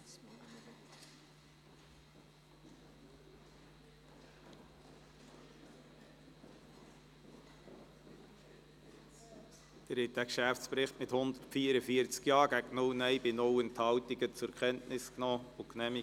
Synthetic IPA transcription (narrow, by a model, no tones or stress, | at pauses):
d̪̥əɾhɛt̚d̥ækʃæft͡spɾɪχtmɪthʊnd̪ətfiːəɾəfiəɾt͡skjɑːɡ̥æɡnʊlnɛɪbɪnɔwənt̪hɑwt̪iɡət͡sʊɾkχɛntnɪsknɔːʊknɛmi